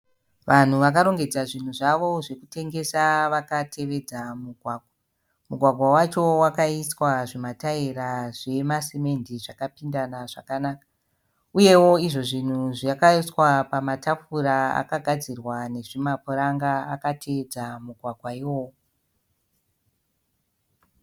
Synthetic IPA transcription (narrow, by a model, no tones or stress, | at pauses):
ʋan̤uʋak̬aɾo̞ŋɡe̞d͡zaʐin̤uʐaʋo̞ʐe̞kute̞ŋɡe̞saʋakatʰe̞ʋe̞d͡zamuɡʱwaːɡʱwa | muɡʱwaɡʱwawat͡ʃo̞wakaiswaʐimatairaʐe̞maseme̞ndiʐakapindanaʐakanaːkḁ | uje̞wo̞iʐo̞ʐin̤uʐjakaiswapamatʰap͡fuɾaa̰kaɡʱad͡zirwane̞ʐimapuɾaŋɡaakatʰe̞ʋed͡zamuɡʱwaɡʱwaiwo